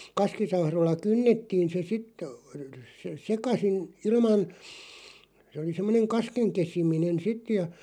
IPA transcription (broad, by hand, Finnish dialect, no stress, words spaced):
kɑskisɑhroĭlːɑ kynːetːiːn̞ se sitˑ ə̆ sekɑsin ilmɑn se ŏli semːŏneŋ kɑskeŋ kesiminen sit jɑ